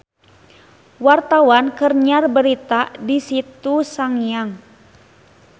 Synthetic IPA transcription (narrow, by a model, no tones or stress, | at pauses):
wart̪awankərɲarbəɾit̪adisit̪usaŋjaŋ